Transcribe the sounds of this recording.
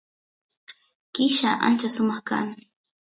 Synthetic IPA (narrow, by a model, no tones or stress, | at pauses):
kɪʃaʔa̰nt͡ʃasʊmɑχka̰ŋ